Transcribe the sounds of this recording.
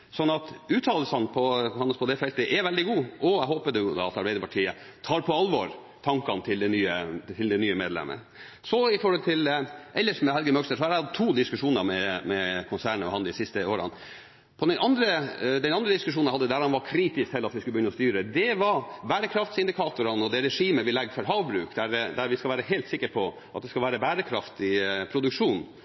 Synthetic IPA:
sɔnːɑt̪ʉːt̪ʰɑːləlsɑnpʰɔhɑnːəspʰɔd̪ɛfɛlt̪əʔɛʋɛld̪ɪɡuːʔɔæɪɦoːpəd̪əjʊd̪ɑ̰ɑt̪ɑɾbɛɪd̪əpʰɑʈʰiːə | t̪ʰɑːɾpʰɔɑlʋɔɾ | t̪ʰɑŋkɑnt̪ʰɪld̪ɛnyːət̪ʰɪld̪ɛnyːəmeːd̪lɛ̰mə̰ | sɔɪfɔɾɔlt̪ʰɪlʔɛlːəʂmɛhɛlɡəmœkst̪əʂɔhɑɾæhɑd̪t̪ʰuːd̪ɪskʉʂuːnəɾmɛmɛkʰʊnsæːɳəɔ̰hɑnd̪ɪsɪst̪əoːɾɑ̰n | pʰɔd̪ɛnɑnd̪ɾəd̪ɛnɑnd̪ɾəd̪ɪskʉʂ̬uːnæɪhɑd̪ːəd̪æɾɑnʋɑɾkʰɾiːt̪ɪskhɛlːɑt̪ʋɪskʉləbəjʏnːɔst̪yːɾəd̪ɛʋɑɾbæːɾəkʰɾɑft̪sɪnd̪ɪkʰɑːt̪ʊɾɑnɔd̪ɛɾɛʂiːməʋɪlɛɡːfɔɾɦɑːʋbɾʉːkd̪æɾd̪æɾʋɪskɑʋæːɾəɦelt̪sɪkːəɾpʰɔ | ʔɑt̪̚d̪ɛskɑlʋæːɾəbæːɾəkʰɾɑft̪ɪpʰɾʊd̪ʉkʂuːn

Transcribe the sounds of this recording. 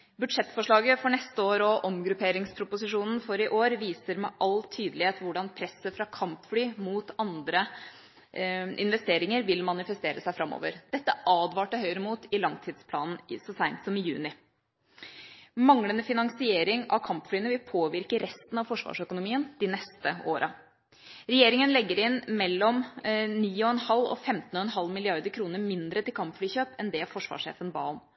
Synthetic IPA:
bʉd̪ʂɛt̪ːfɔʂɭɑːɡəfɔɳɛst̪əoːɾɔʔɔmɡɾʉpʰeːɾɪŋspʰɾʊpʊsɪʂuːnn̩fɔɾɪʔoːɾʋiːsəɾmɛʔɑlt̪ʰyːd̪əlɪheːt̪ʋʊɖɑnpʰɾɛsːəfɾɑkʰɑmpflyːmuːt̪ɑnd̪ɾə | ʔɪ̰nʋɛst̪eːɾɪŋəɾʋɪlmɑnɪfɛst̪eːɾəsæɪfɾɑmːo̰ːʋəɾd̪ɛt̪ːəʔɑːd̪ʋɑːʈəɦœʏəɾəmuːt̪ɪlɑŋt̪ʰiːd̪spʰlɑːnn̩ɪsɔsæɪnt̪sɔmɪjʉːnɪ | mɑŋlənəfɪnɑŋsɪeːɾɪŋɑ̰ʋkʰɑmpflyːənəʋɪlpʰoːʋɪɾkəɾɛst̪n̩ɑʋfɔʂʋɑ̰ːʂœkʊnʊmiːənd̪̥ɪnɛst̪əoːɾʔɑ | ɾɛjeːɾɪŋənlɛɡːəɾɪnmɛlːɔmniːɔɛnhɑlːɔ̰fɛmt̪n̩ɔɛnɦɑlmɪlɪɑɾd̪əɾkʰɾuːnəɾmɪnd̪ɾət̪ɪlkʰɑmpflyːçøːpɛnd̪ɛfɔʂʋɑ̰ːʂḛːfənbɑ̰ːn

